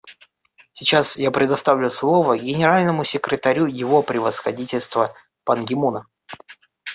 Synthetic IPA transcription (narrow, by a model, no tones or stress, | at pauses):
sʲɪt͡ɕasjapɾʲɪd̪ɐst̪avlʲʊslˠovəɡʲɪnʲɪɾalʲnəmʊsʲɪkɾʲɪt̪ɐɾʲujɪvo̞pɾʲɪvəsxɐdʲitʲɪlʲst̪və | pɐnɡʲɪmunə